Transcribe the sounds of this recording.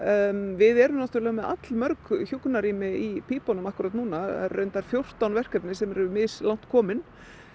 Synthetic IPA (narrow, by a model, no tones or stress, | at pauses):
vɪðɛɾʏmnaht̪ʏɾlɛɣamɛða̰t̪lmœɾkçukːʏnaɾiːmɪipʰiːpɔnʏmahkʏɾaːt̪nuːnaɛ̰ɾrœɥjnt̪aɾ̥fjowr̥t̪awnvɛr̥kɛpnɪsɛmɛɾɛʏmɪðslawn̥t̪kʰɔːmɪn